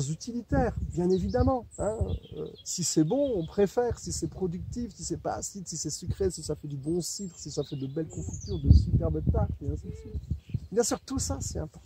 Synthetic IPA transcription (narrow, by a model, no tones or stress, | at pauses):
zyt̪ilit̪ɛːʁbjɛ̃nevid̪amɑ̃ɛ̃ø̰ø̰sisɛbɔ̃ɔ̃pχefɛːʁsisɛpχɔd̪yk̚t̪ifsisɛpa̰ːsid̪sisɛsəkχesisafɛd̪ybɔ̃sit̪χsisafɛd̪əbɛlkɔ̃fik̚t̪yʁd̪əsypɛʁbɛt̪aʁɛ̃sisibjɛ̃syːʁt̪usasɛt̪ɛ̃pɔt̪